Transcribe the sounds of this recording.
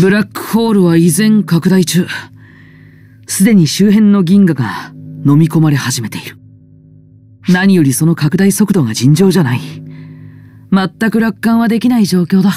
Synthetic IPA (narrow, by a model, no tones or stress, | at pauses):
bɯ̟ɾakːɯ̥ho̞ːɾɯ̟βaizẽ̞ŋkakɯ̟d̪ait͡ɕɨː | sɨd̪e̞ɲ̟iɕɨːɦẽ̞nːo̞ɡʲĩŋɡaɡano̞mʲiko̞maɾe̞haʑime̞t̪e̞iɾɯ̟̥ | naɲ̟ijo̞ɾʲiso̞no̞kakɯ̟d̪aiso̞kɯd̪o̞ɡad͡ʑĩɲ̟d͡ʑo̞ːʑanai | mat̪ːakɯ̟ɾakːãɰ̃βad̪e̞kʲinaiʑo̞ːkʲo̞ːd̪a